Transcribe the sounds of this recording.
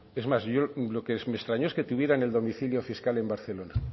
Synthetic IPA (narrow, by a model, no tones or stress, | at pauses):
e̞zmasʝo̞lo̞kesme̞st̪ɾaɲoesket̪uβje̞ɾaeneld̪o̞miθiljo̞fiskale̞mbaɾθe̞lo̞na